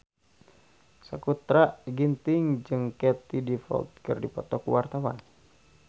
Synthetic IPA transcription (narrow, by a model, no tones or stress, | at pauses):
səkut̪ɾaʔɡint̪ɪŋd͡ʒɨŋkɛt̪idifɔ̰lt̪̚kɨrdipɔt̪ɔkṵwart̪awa̰n